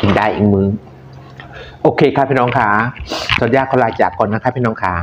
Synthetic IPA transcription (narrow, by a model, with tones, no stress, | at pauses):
ki˨ndaː˥˩jʔḭː˨˩k̚mɯː˨˦ | ʔoː˧kʰeː˧˩kʰa˦˥˩pʰiː˧˥˩nɔː˧˥ŋkʰaː˩˦sɔː˨˩˦n̚jaː˧˩kʰːɔː˨˦laː˧t͡ɕaː˨˩kʰːɔː˧nːa˦˥kʰa˦˥pʰiː˥˩nɔː˧˦˥ŋkʰaː˩˦